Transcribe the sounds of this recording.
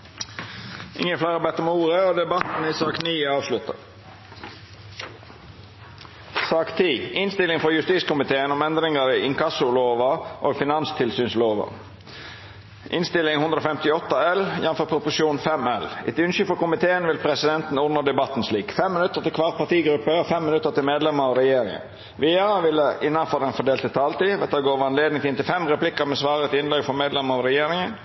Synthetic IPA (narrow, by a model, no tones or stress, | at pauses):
ʔɪ̰ŋːəflæɪʁəbɛt̪ːəmuːʁəoːd̪ɛbɑt̪n̩isɑːkniːɑːʋslʉt̪ə̰ | sɑːkt̪ʰiːʔɪnst̪ɪlɪŋfɔjʉst̪iːskʊmɪt̪ʰeːənɔmɛnd̪ʁɪŋəɪɪŋkɑsʊloːʋəʔoːɡfɪnɑnst̪ʰɪlsyːnsloːʋə̰ | ʔɪ̰nst̪ɪlɪŋhʉnd̪ɾəoːfɛmt̪ɪɔt̪ːəɛljɛnfɔɾpʰɾʊpʊsuːnfɛmɛlɪ̰t̪ʉnʃʏfɔkʊmɪt̪ʰeːənʋɪlpʰɾɛsɪd̪ɛnt̪n̩ʊd̪nəd̪ɛbɑt̪n̩sliːkfɛmːɪnʉt̪ːəɾt̪ɪlkʰʋɑːʁ̚pʰɑt̪iːɡɾʉpːəfɛmːɪnʉt̪ːət̪ɪlmeːd̪lɛməɾɑʋɾɛjeːɾɪŋə̰n | ʋeɑːʋɪlːəɪnːɑfɔɾd̪ɛnfɔɖ̪eːlt̪ɪlt̪ʰɑːlt̪iːʋɛt̪ɑdɡoːʋəɑnleːd̪nɪŋfɪnt̪ɪlfɛmɾɛplɪkːəɾmɛsʋɑːɾət̪ɪnlɛɡfɔmeːd̪lɛməɾɑʋɾɛjeːɾɪŋən